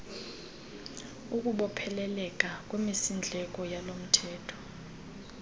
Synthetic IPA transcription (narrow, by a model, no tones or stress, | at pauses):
uk̬ʼuɓɔpʰɛlɛlɛk̬ʼakʼwemisind͡ɮʱɛk̬ʼɔjalom̩tʰɛːtʰɔ̥